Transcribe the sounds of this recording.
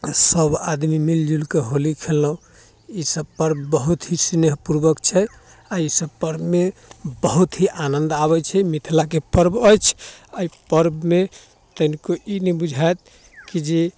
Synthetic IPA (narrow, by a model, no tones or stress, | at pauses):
səbad̪mimild͡ʒulkeɦolikʰelːəũ | isəbpəɾbːəɦut̪ɦisineɦpuɾbəkt͡ʃʰɛ | aisəbpəɾbmebəɦut̪ɦiʔanənd̪aβɛt͡ʃʰɛmit̪ʰilakepəɾbəjt͡ʃʰaipəɾbme | t̪əɦnikoinɛbud͡ʒʱajt̪̚ | kid͡ʒe